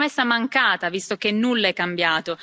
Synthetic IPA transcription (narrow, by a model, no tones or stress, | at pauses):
mesːamaŋkaːt̪avist̪ok̟enːulːaɛkːambjaːt̪o